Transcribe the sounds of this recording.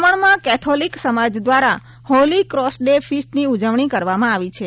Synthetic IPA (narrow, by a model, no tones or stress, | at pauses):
məɳmãkɛt̪ʰoliksəmad͡ʒd̪ʋaɾa | holikɾɔsɖefʰisʈniud͡ʒəʋɳ̃ikəɾʋamãaʋit͡ʃʰe